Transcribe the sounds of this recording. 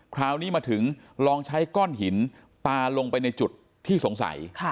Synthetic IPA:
kʰɾaː˦˥wniː˦˥maː˧t̪ʰɯ˩˦ŋ | ɾɔː˧ŋt͡ɕʰa˦˥jkɔː˥˩nɦi˩˦n | paː˧lo˧ŋpa˧jna˧jt͡ɕu˨˩t̪ʰːiː˥˩so˩˦ŋsa̰˩˦jkʰ

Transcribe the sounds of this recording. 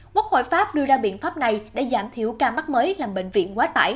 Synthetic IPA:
ku˦˥k̚ho̰˧˨jfaː˦˥p̚ɗɨ˧əzaː˧ɓḭ˧˨ənfaː˦˥p̚na˨˩jɗḛ˧˥zaː˧˩mt̪ʰi˧˩əwkaː˧ma˦˥k̚məː˨˦jlaː˨˩mɓḛ˧˨ŋ̟vḭ˧˨ənkwaː˨˦t̪a̰ː˧˩j

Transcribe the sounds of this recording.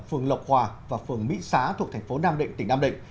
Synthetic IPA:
fɨ˨˩əŋlə˨˩wk͡p̚hwaː˨˩vaː˨˩fɨ˨˩əŋmḭ˧˥saː˨˦t̪ʰu˨˩ət̪ʰɛ˨˩ŋ̟fo˨˦naː˧mɗḭ˧˨ŋ̟t̪ï˧˩ŋ̟naː˧ɗḭ˧˨ŋ̟

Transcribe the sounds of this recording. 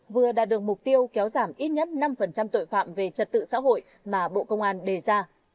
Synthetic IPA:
vɨ˨˩əɗa̰ː˧˥ɗɨ˨˩ək̚mʊ˨˩k͡p̚t̪i˧əwkɛ˨˦wzaː˧˩mʔi˦˥t̚ɲə˦˥t̚na˧mfə˨˩nt͡ɕa˧mt̪o̰˧˨jfa̰ː˧˨mve˨˩t͡ɕə˨˩t̚t̪ɨ̰˧˨sa̰ː˧˥ɦo̰˧˨j | maː˨˩ɓo̰˧˨kə˧wŋ͡mʔaː˧nɗe˨˩zaː˧

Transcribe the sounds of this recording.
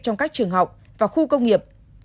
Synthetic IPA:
t͡ɕɔ˧wŋ͡mkaː˦˥k̚t͡ɕɨ˨˩əŋɦa˨˩wk͡p̚ | vaː˨˩xu˧kə˧wŋ͡mŋi˨˩əp̚

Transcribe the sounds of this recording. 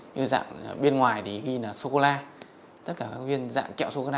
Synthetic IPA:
ɲɨ˧za̰ː˧˨ŋ˨ɓe˧ənŋwaː˨˩jt̪ʰi˨˩ɣi˧naː˨˩so˧ko˧laː˧ | t̪ə˦˥t̚kaː˧˩kaː˦˥k̚vi˧ənza̰ː˧˨ŋkɛ̰˧˨wso˧ko˧laː˧

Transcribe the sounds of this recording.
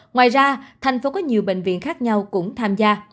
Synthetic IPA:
ŋwa̰ː˧˨jzaː˧t̪ʰa˨˩jŋ̟fo˨˦kɔ˨˦ɲi˨˩əwɓḛ˧˨ŋ̟vḭ˧˨ənxaː˦˥k̚ɲa˧wkʊ̰˧˥ŋ͡mt̪ʰaː˧mzaː˧

